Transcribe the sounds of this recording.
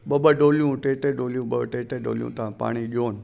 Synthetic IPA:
ɓɐɓəɖoːlijũʈeːʈeɖoːlijũɓɐbʈeːʈeɖo̰ːljṵ̃t̪aãpa̰ːɽ̃iɗioːn

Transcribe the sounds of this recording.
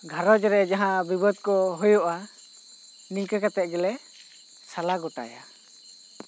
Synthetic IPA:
ɡʱaɾɔd͡ʒɾɛd͡ʒaɦãbibɔd̪̚kɔɦujɔʔa | nilkəkat̪ɛt̪̚ɡɛlɛ | salaɡɔʈa̰ja̰

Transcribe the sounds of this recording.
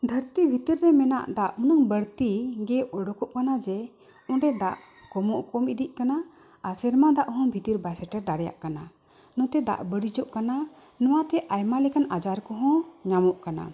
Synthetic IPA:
d̪ʱəɾt̪ibʱit̪iɾːɛmɛna̰ʔd̪aʔunɔŋbəɽt̪iɡɛʔɔɽɔkɔʔkanad͡ʒɛ | ɔɳɖɛd̪aʔ | kɔmɔʔkɔmid̪iʔ̚ˀkana | asɛɾmad̪aʔɦɔ̃bʱit̪iɾbasɛʈɛɾd̪aɽɛja̰ʔkana | nɔ̃t̪ɛd̪a̰ʔbəɽid͡ʒɔʔkana | nɔwat̪ɛʔajmalikanad͡ʒaɾkɔɦɔ̃ɲamɔʔkana̰

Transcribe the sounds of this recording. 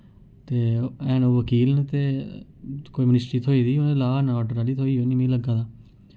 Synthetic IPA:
t̪eːɛ̃ːnoːʋəkiːlnt̪eː | koːiːmənɪsʈɾiːt̪ʰoːiːd̪iːonẽːlaːnɔːʈɾaːliːt̪ʰoːiːoːniːmĩːləɡaːd̪aː

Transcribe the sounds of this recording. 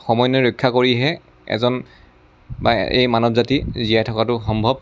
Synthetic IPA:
xɔmɔjnɔɹɔjkʰːakoɹiɦɛ | ɛ̰zɔn | ba̰ḛjmanɔbzatizijajtʰɔkatʊxɔmbʱɔb

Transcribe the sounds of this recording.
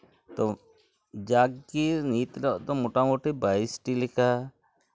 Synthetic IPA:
t̪o | d͡ʒaːɡiɾniːt̪lɔʔt̪omoʈamoʈibaisʈilika

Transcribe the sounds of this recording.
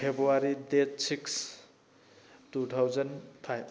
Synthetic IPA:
pʰebɾuaɾidetsiks | tut̪ʰawzanpʰajb

